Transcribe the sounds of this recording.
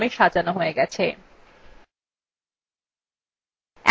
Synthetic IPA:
meʃad͡ʑanoɦoeɡɛt͡ɕʰe | ɛ

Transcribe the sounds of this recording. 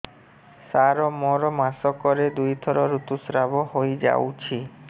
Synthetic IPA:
saɾɔmɔɾɔmasɔkɔɾed̪ujt̪ʰɔɾɔɾut̪usɾabɔɦojd͡ʒa̰wt͡ʃʰi

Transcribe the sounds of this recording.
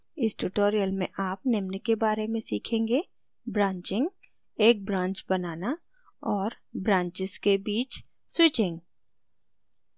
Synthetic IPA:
ɪsʈuʈoːɾijəlmẽʔaːp̚nɪmnekebaːɾemẽsiːkʰẽːŋɡe | bɾãːɲt͡ʃɪ̃ŋɡ | eːk̚bɾãːɲt͡ʃbɐnaːna | ɔːɾ | bɾãːɲt͡ʃɪz̥kebiːt͡ʃ | swɪt͡ʃẽːŋɡ

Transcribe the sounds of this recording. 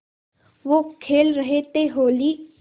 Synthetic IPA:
ʋokʰeːlɾəɦet̪eɦoːli

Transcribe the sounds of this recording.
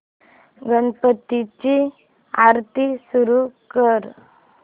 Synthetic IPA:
ɡənpət̪ːit͡ɕi | aɾt̪isuɾukəɾ

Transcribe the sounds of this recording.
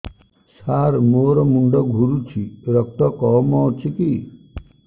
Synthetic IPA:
saːɾmoːɾɔmuɳɖɔɡʱuɾut͡ʃʰiɾək̚t̪ɔkɔmɔwt͡ʃʰiki

